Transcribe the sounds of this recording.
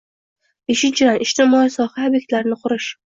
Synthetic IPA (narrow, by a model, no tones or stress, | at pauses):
b̥e̞ʃɪnt͡ʃʰɪd̪anɪʃt̪ɪmɒisɒhaːbje̞k̚ʲt̪laɾnɪqʰʊɾɪʃ